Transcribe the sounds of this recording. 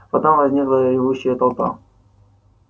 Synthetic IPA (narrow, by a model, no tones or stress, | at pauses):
pɐt̪omvɐzʲnʲiklˠəɾʲɪvuɕːɪjət̪ɐlˠpa̰